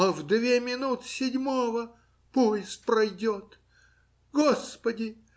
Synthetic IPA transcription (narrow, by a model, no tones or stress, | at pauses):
ɐvd̪vʲemʲɪnut̪sʲɪdʲmovə | pujɪspɾɐjdʲot̪ | ɡospədʲɪ